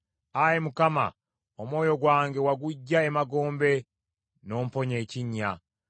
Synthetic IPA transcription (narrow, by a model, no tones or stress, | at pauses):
ajemukama̰ | omwo̞ːjo̞ɡwaːŋɡe̞waɡuɟːaemaɡo̞ːmbe̞ | no̞ːmpo̞ɲe̞ːciɲːa